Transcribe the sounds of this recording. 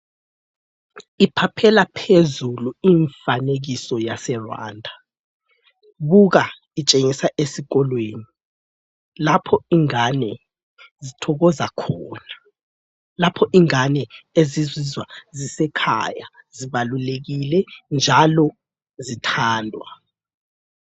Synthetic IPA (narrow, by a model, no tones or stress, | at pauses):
ipʰapʰɛlapʰezuluiːɱfaneɣ̬isɔjasɛrwa̰ːndʱa | βuɣa | it͡ʃʼeŋisaʔesiɣɔlweːni | lapʰɔiŋanɛ | zitʰɔɣɔzakʰɔːna | lapʰɔʔiŋanɛezizizwazisɛkʰa̰ja | ziβaluleɣ̬ilɛnd͡ʒʱalɔ | zitʰaːndʱwa̰